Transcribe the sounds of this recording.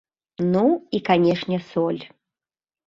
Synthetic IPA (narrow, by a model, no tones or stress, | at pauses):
nuikanʲɛʂnʲɛsɔlʲ